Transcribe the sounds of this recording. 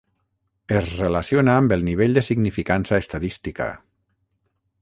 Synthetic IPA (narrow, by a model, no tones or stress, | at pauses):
ezrelasjonaːmbelˠniβ̞eʎd̪esiɡnifikansaest̪aðist̪ika̰